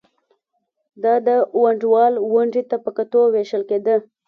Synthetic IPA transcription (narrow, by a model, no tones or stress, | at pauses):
d̪ɑd̪əwaɳɖwɑlwʊɳɖit̪apəkat̪oweʃəlked̪ə